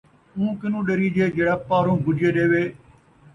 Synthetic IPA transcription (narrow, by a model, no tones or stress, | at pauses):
ũːkɪnũːɗəɾiːd͡ʒeːd͡ʒeːɽaːpaːɾũːɡʱʊd͡ʒeːɗeːʋeː